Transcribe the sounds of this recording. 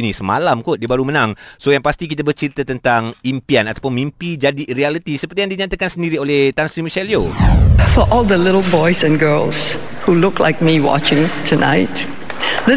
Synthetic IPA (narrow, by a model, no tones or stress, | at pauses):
inĩsəma̰lamkʊt̪̚diəbaɾumə̃nãŋsojaŋpast̪ik̬it̪abərt͡ʃiɾit̪at̪ənt̪aŋimpianat̪apʊnmimpid͡ʒadirialit̪isəpərt̪ijaŋdiɲãt̪akansəndiɾioleht̪ansɾimiʃɛliofɔʔɔlˠd̪əlɪɾl̩ˠbɔɪsɛ̃nɡɜlˠshulʊkla̰ɪk̚miwɔ̰t͡ʃɪ̃ŋtʰuna̰ɪt | dɪ